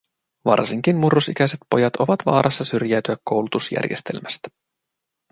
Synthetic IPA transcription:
ʋɑ̰rsiŋk̟inmurːosikʲæjset̪̚po̞jɑt̪oʋɑt̪ʋɑ̰ːɾʔɑsːɑsyrjæːt̪yækkːo̞wlut̪usjæ̰rje̞st̪e̞̰lmæst̪æ̥

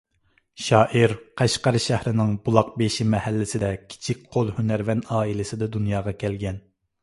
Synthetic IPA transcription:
ʃɑːʔiɾqʰæʃqɑɾʃæhɾɪnɪŋbulˠɑq̚beʃimɛhælːɪsɪd̪ɛkʲʰi̥t͡ʃʰik̚ʲqʰolˠhynæɾvɛnɑːilɪsɪd̪ɛd̪unjɑːʁɑkʲʰɛlɡʲɛn

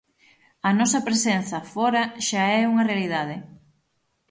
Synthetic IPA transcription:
ɐnɔsɐpɾesenθɐfɔɾɐʃaɛuŋɐrealiðaðɪ

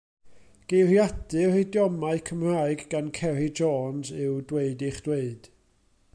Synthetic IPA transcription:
ɡ̥ejrjadɨredjɔmaɨkʰəmr̥aːɨɡːankʰɛɾɪd͡ʒɔːnzɨwdweɨdɪχd̥weɨd̥

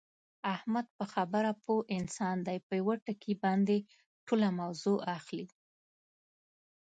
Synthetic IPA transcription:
ahmad̪̚pəxabəɾapoʔɪnsɑnd̪ajpəjwəʈəkibɑnd̪e | ʈʰolamawzoʔaxli

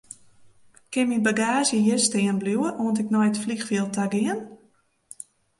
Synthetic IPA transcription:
kɪmibaɡaːzjəjɪstɪənbljuəʔoəntɪknɔjətflixfiəlˠtʰaɡɪən

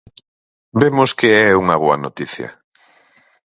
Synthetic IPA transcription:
bemʊskeɛuŋɐβoɐnot̪iθjɐ̰

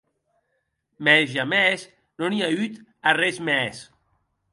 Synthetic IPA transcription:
mɛzʒamɛs | noniayt̪arɛzmɛs

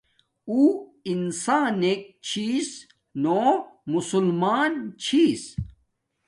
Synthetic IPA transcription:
uːinsaːnek̚t͡ɕʰiːs | nomusulmaːnt͡ɕʰiːs

